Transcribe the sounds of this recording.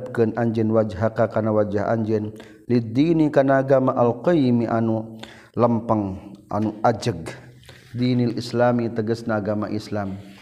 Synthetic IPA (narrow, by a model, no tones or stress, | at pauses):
p̚kənʔaɲd͡ʒɪnwad͡ʒɦakakarnawad͡ʒaɦa̰ɲd͡ʒɪn | lid̪inikarnaːɡamaʔalqɔjmiʔanu | ləmpəŋʔa̰nuʔad͡ʒəɡ̚ | d̪inilʔislamit̪əɡəsnaːɡamaʔislam